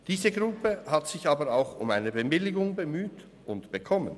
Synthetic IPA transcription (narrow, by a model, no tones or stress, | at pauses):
d̥iːzəɡʁʊpəhatsɪçaːbəɾaʊxʊ̰ma̰ɪnəbəmɪlɪɡʊŋbəmyːt | ʊntb̥əkʰɔmən